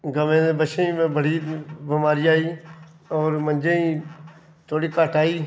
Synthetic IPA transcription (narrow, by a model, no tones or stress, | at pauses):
ɡəmẽːd̪ebəʃẽmẽbəɽiːbɪmaːɾiaːiː | ɔːɾmə̃nd͡ʒeĩː | t̪ʰoːɽiːkaːʈaːiː